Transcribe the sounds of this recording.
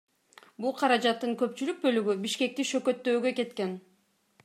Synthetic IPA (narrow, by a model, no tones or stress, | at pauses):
bulˠqʰɑɾɑd͡ʒɑt̪ːɯŋkø̞pt͡ʃylyk̚bø̞lyɡybiʃke̞k̚t̪iʃø̞kø̞t̪ːøːɡø̞ke̞t̪ke̞n